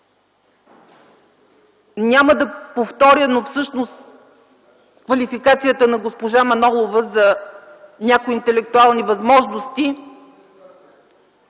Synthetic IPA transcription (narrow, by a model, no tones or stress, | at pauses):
nʲaməd̪ɐpoft̪ɔɾʲjənofsɤʃnost̪ | kvɐlifikat̪sijət̪ənɐɡospoʒamɐnɔlˠovəzɐ | nʲakojint̪ɛlɛk̚t̪ualˠnivɐzmɔʒnost̪i